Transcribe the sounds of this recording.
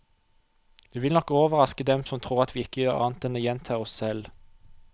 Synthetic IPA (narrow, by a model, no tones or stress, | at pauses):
d̪̥ʉːʋɪlɔkːoːʋəʁɑskəd̪ɛmsɔmt̪ʰʁuːʁɑt̪ʰʋiːɪkːəjøːʁɑ̰nt̪ɛnəjɛnt̪ʰɑːɔsːɛl